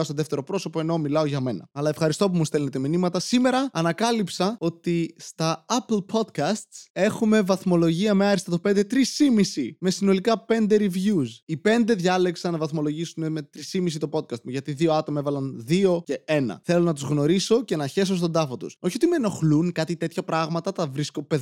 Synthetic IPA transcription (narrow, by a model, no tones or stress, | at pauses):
ɐst̪oðeft̪e̞ɾo̞pɾo̞so̞po̞e̞no̞milɐo̞ʝɐme̞nɐ̰ɐlɐefxɐɾist̪o̞p̬umust̪elnet̪eminimɐt̪ɐsime̞ɾɐːnɐkɐlipsɐo̞t̪ist̪ɐɐplpʰo̞d̪kɐst̪se̞xume̞vɐθmo̞lo̞ʝiɐmeɐɾist̪ɐt̪ope̞nd̪e̞t̪ɾisimisime̞sino̞likɐpe̞nd̪e̞ɾivʝusipe̞nd̪e̞ðʝɐle̞ksɐnːɐvɐθmo̞lo̞ʝisuneme̞t̪ɾisimis̬it̪o̞po̞t̪̚kɐst̪̚muʝɐt̪iðioɐt̪o̞mɐevɐlɐnðio̞ce̞e̞nɐ̰θe̞lo̞nɐt̪uzɣno̞ɾiso̞ce̞nɐçe̞s̬os̬t̪o̞nd̪ɐfot̪ṵsoçio̞t̪imeno̞xlunkɐt̪it̪e̞t̪çɐpɾɐɣmɐt̪ɐt̪ɐvɾiskopeð